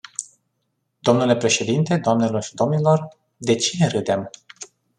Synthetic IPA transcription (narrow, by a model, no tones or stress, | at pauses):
d̪̥o̞mnule̞pɾe̞ʃe̞d̪int̪e̞d̪oamne̞lo̞rʃid̪o̞mnilo̞r | d̪e̞t͡ʃineɾɨd̪em